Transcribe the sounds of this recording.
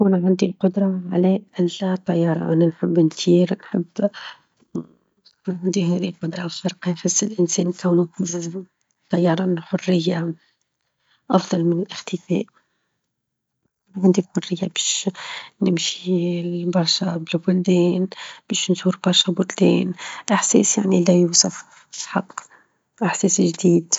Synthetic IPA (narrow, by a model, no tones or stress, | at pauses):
kunʕand̪ilqʊd̪ɾˤɑʕlɛʔælːæt̪ˤːɑjːɑːɾˤɑ̰ʔænænħɪbːntiːɾnħəbː | kuːnʕand̪iɦɛðilqʊd̪ɾˤɑwfɑɾqɑnħʊsːɪlʔɪnsɛːnkæwnu | t̪ˤːɑjːɑɾˤɑnħʊrːɪjːa | ʔɑfðˤɑlmɪnɪlʔɪxt̪əfɛ̰ːʔ | ʕɪnd̪ilħʊrːɪjːabɛːʃnɪmʃibɑɾˤʃabɪlbʊld̪ɛːnb̥ɛːʃnzuːɾbɑɾˤʃabʊld̪ɛːnʔaħsɛ̰ːsjaʕnilæjuːsˤɑf | ħɑqː | ʔaħsɛːsʒd̪iːd̪